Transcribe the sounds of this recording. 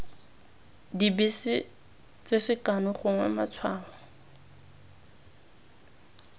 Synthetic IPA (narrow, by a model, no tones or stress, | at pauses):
dibisɪ | t͡sɪsɪkanʊχʊŋwɛ̰ma̰t͡sʰwaːlɔ